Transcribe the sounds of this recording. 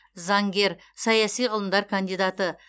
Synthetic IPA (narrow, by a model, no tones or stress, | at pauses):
zɑŋɡʲe̞ɾ | sɑjɑsijʁəlˠəmd̪ɑɾkʰand̪ijd̪at̪ə